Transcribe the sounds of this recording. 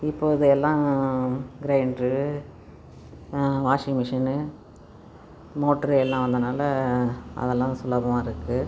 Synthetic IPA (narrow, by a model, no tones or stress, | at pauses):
ɪpːoːɐðɯɛlːãː | ɡɪɾɐɪɳɖɯ | ʋaːʂɪmɪʂɐnɯ | moːʈːɐɾɛlːãːʋɐnd̪ɐnaːlɐɐ̰ðɛlːãːsʊlɐːbɐmãːɪɾɯkːɯ